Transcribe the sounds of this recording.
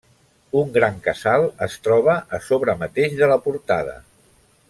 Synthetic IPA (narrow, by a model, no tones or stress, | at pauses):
uŋɡɾaŋkəzalˠəst̪ɾɔβ̞əʔəsoβɾəmət̪eʒðələpuɾt̪a̰ðə̰